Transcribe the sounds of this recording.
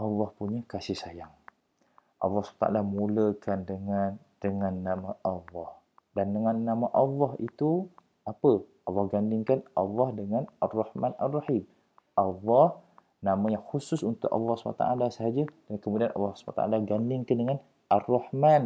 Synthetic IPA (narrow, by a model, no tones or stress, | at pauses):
ʔɑlːɑhpuɲəkasihsajaŋ | ʔɑ̰lːɑhsbat̪a̰ʔa̰lamuləkandəŋan | d̥əŋanːamãʔɑlːɑh | dandəŋanːamãʔɑlˤːɑɦit̪u | apəʔɑlːɑhɡandɪŋkanʔɑ̰lːɑhdəŋanarˤːɑhmanarːɑħim | ʔɑlːɑh | namãjaŋxusʊsunt̪ʊ̰ʔɑ̰lːɑhsba̰t̪a̰alasəɦad͡ʒədəŋankəmudianʔɑ̰lːɑhsba̰t̪a̰ʔa̰laɡandɪŋkandəŋan | arːɑhman